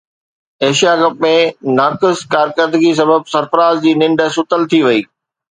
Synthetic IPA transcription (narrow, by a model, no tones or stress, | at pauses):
eːʃijaɡɐpmẽnaːkɪskaːɾkəɾd̪əɡis̬ɐbəb̚sɐɾfəɾaːzd͡ʑiːnɪ̃ɳɖə̆sʊt̪əlt̪ʰiʋɐiː